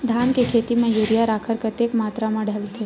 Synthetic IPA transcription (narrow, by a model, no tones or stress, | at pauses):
d̪ʱaːnkekʰet̪imẽjuɾijaɾaːkʰəɾkət̪ekmaːt̪ɾamãɖʱəlt̪ʰe